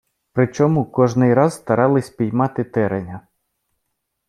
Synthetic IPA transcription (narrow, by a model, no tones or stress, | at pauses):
pɾɪt͡ʃɔmukɔʒnɪjɾɑzːt̪ɐɾɑlˠɪsʲpʲijmɑt̪ɪt̪ɛɾenʲɐ